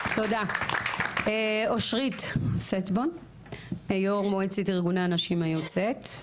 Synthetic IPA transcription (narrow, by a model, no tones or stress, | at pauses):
to̞da | eoʃʁit̪setbon | ejoʁmoet͡sitiʁɡunaːnaʃimajot͡set̪